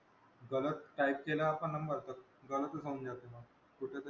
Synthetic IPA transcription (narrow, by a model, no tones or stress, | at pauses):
ɡələt̪ʈaip̚kelaːpəɳːəmbəɾt̪ək̚ | ɡələt̪əsəund͡ʑat̪eməɡ | kuʈʰet̪